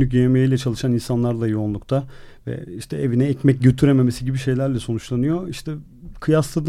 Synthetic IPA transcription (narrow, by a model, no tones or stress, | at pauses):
yc̬eemejijlʲɛt͡ʃʰalˠɯʃaninsanlˠaɾd̪ajounlˠukt̪ʰavɛ̰iʃt̪ʰɛevinɛːcmɛc̚ɟøt̪ʰyɾeme̞me̞siɟibiʃe̞jlʲæɾlʲɛso̞nut͡ʃlˠanɯjo̞iʃt̪ʰɛ | kʰɯjaslˠad̪